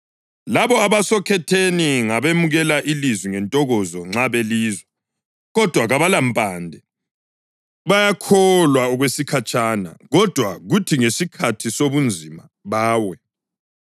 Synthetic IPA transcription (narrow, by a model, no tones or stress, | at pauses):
laβɔaβasɔkʰɛtʰeniŋaβemuɣɛlaʔilizwiŋɛntʼɔɣɔzɔŋ͡ǁaβeliːzwɛ | ɣɔd̥ʱwaɣaβalampʼaːndʱɛ | βajakʰɔlwaɔɣwesikʰat͡ʃʼana̰ɣɔd̥ʱwaɣutʰiŋesikʰatʰisoβund͡zʱima̰ | βaːwɛ